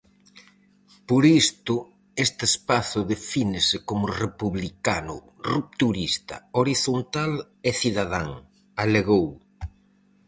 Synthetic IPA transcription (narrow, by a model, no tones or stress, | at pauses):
poɾist̪ʊ | est̪ɪespaθʊðefinɪsɪkomʊrepuβlikanʊ̰ | rup̚t̪uɾist̪ɐ̰oɾiθont̪al | eθiðaðaŋ | aleɣow